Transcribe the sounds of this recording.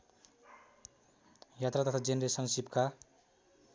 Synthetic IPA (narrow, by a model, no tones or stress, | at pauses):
jat̪rat̪ʌt̪ʰad͡zenɾesʌnsip̚ka